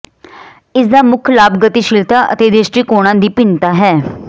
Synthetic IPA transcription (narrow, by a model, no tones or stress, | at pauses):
ɪsd̪aːmʊkʰlaːbɡət̪iːʃɪlt̪aːʔə̰t̪eːd̪eːsʈiːkoːɽ̃ãːd̪iːpɪnt̪aːɦɛː